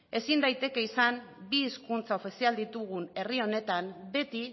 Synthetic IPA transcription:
e̞sind̪ajt̪e̞ke̞isambiːskunt͡sao̞fisiald̪it̪uɣ̞une̞rio̞ne̞t̪ambe̞t̪i

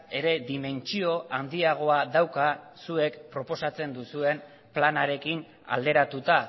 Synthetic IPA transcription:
e̞ɾe̞ðime̞nt͡ʃio̞and̪iaɣ̞o̞aðawka | sue̞kpɾo̞po̞sat͡se̞nd̪usue̞n | planaɾe̞kin | a̰ld̪e̞ɾat̪ut̪a

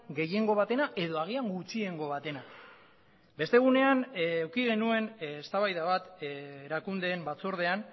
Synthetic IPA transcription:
ɡe̞je̞ŋɡo̞β̞at̪e̞naʔe̞ðo̞aɣ̞iaŋɡut͡sie̞ŋɡo̞βat̪e̞na | be̞st̪e̞ɣ̞une̞anewkiɣ̞e̞nue̞nst̪aβajðaβat̪eɾakund̪e̞ːmbat͡soɾð̞e̞an

